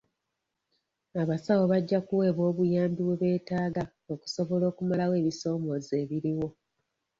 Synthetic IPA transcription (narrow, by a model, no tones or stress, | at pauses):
aβasawo̞βaɟːakuwe̞ːβo̞ːβujaːmbiβweβe̞ːtaːɡa | oku̥so̞βolo̞ːkumalawe̞ːβiso̞ːmo̞ze̞ːβiɾiwo̞